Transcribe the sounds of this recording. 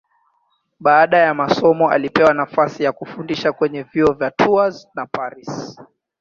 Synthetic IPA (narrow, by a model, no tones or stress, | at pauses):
ɓaaɗajamasɔmɔa̰lipɛwanafasijakufundiʃakwɛɲɛviɔvjatʰuaznapaɾis